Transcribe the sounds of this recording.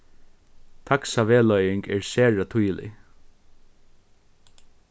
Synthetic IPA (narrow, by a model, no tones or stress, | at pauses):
t̪ʰaksaʋeːlœjɪŋkɛɹsæːɹat̪ʰujlɪ̰